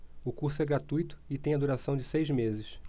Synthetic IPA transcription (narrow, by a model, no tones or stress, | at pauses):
ʊkuɾsʊɛɡɾat̪ujt̪ʊ̥ɪt̪ẽj̃ɐd̪uɾasɐ̃w̃d͡ʒɪsejzmezɪʃ